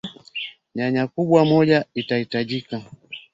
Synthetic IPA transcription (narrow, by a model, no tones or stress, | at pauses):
ɲaɲakuɓwamɔʄaitahitaʄika